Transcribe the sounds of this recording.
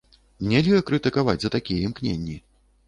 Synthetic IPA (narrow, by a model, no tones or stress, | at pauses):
nʲɛlʲɨɐkɾɨt̪ɨkavad͡zʲzɐt̪akʲijɛimknʲenʲːi